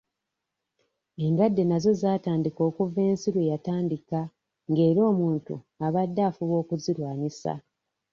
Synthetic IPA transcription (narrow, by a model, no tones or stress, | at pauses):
e̞ndwadːe̞nazo̞zaːtaːndiko̞ːkuve̞ːnsiɾwe̞jataːndika | ŋɡe̞ːɾo̞ːmuːntṵ | aβadːaːfuβo̞ːkuziɾwaːɲisa̰